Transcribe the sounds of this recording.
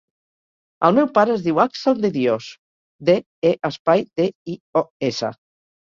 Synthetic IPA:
əlˠmɛwpaɾəːzðiwaksəld̪eðjos | d̪e | eʔəspajd̪eioesə̰

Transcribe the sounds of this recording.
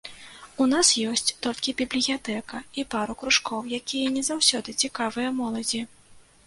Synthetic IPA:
unasjɔsʲt͡sʲt̪ɔlʲkʲibʲiblʲijat̪ɛkɐipaɾukɾuʂkʰɔwjakʲijɐnʲɛzawsʲɔd̪ɨt͡sʲikavɨjɐmɔlˠɐd͡zʲi

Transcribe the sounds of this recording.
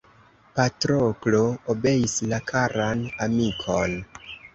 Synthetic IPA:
patɾokloobe̞islakʰaɾanamikʰon

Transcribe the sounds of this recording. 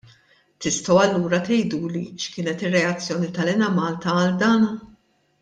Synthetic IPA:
t̪ɪst̪ɔwɐlːuːɾɐt̪ɛjd̪uːliʃkɪːnɛt̪ɪrːɛɐt͡sːjɔːnit̪ɐlɪnɐmɐːlt̪ɐɐld̪ɐːnɐ

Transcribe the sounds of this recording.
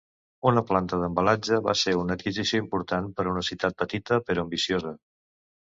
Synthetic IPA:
unəplant̪əðəmbəlad͡ʒəβa̰seunət̪̚kizisioimpuɾt̪anpəɾunəsiwt̪at̪̚pət̪it̪əpəɾoəmbisiozə

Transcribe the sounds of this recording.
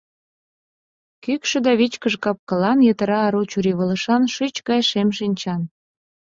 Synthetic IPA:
kykʃĕd̪ɑβit͡ɕkəʒkɑp̚kɤ̆lɑnjet̪ə̆ɾɑːɾut͡ɕuɾiβə̆lə̆ʃɑnʃyt͡ɕkɑjʃemʃinʲt͡ɕɑn

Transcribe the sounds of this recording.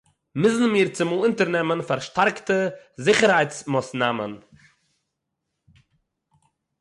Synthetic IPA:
mɪsn̩miːɾt͡sɪmulˠɪntəɾnɛmənfaɾʃtaɾktəzɪχəɾhaɪt͡smasnaːmə̰n

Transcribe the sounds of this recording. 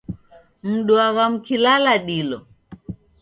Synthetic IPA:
m̩ɗuaɣam̩kilalaɗilɔ

